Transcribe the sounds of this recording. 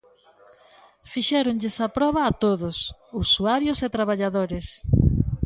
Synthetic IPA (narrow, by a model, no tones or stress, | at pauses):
fiʃɛɾʊŋʎesɐpɾɔβ̞ɐːt̪oðʊsusuaɾjoset̪ɾaβ̞aʎaðoɾes